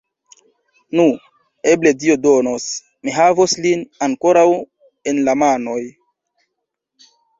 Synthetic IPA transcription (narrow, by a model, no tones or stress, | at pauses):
nu | e̞ble̞dio̞donos | miɦavoslinaŋko̞ɾaw | e̞nlamano̞j